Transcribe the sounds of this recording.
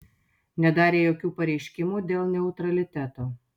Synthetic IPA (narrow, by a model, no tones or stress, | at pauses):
nʲɛd̪ɑːɾʲeːjoːkʲuːpɐɾʲɛɪʃʲkʲɪmuːd̪ʲeːlˠnʲɛʊt̪ɾɐlʲɪt̪ʲæt̪oː